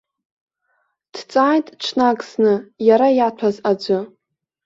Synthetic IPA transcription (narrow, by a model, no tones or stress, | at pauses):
d̥t͡sʼaːjtʼʈ͡ʂʷʰnakʼsnɨjaɾajatʷʰazad͡ʒʷɨ